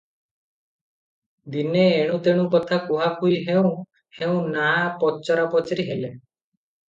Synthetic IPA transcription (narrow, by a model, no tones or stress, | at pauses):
d̪ineːɽ̃ũt̪eɽ̃ũkɔt̪ʰakuɦakʰuiɦeũ | heũnapɔt͡ʃɔɾapɔt͡ʃɾiɦele